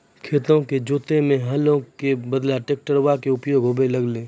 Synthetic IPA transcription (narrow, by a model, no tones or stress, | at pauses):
kʰeːt̪õked͡ʒoːt̪emẽɦɐlõkebəd̪laʈeːk̚ʈəɾwakeʊpjoːɡɦobelɐɡleː